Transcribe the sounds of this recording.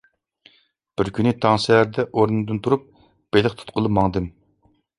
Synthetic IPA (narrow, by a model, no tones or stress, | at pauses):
b̥ɪɾkʲʰynɪt̪ʰɑŋsɛɦæɾd̪ɛʔoɾnɨd̪ɨnt̪ʰuɾup̚ | b̥elɪχt̪ʰu̥t̪̚qʰʊlˠɨmɑŋd̪ɨm